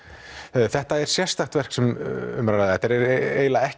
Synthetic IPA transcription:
θɛht̪aɛɾ̥sjɛst̪aht̪vɛr̥ksɛmʏmɾanaðθɛht̪aɾɛɾeːjlaɛh

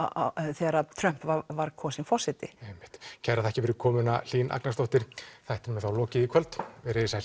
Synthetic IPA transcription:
θɛɾat̪ʰɾœm̥pvavaɾkʰɔːsɪnfɔsɪt̪ɪejmːɪ̥ht̪cʰɛɾaðɛhcɪvɪɾʏkʰɔːmʏnal̥iːnʔa̰knast̪ɔht̪ɪɾ̥θajht̪ɪnmɛθawlɔːcɪðikʰvœlt̪vɾɪɪsa

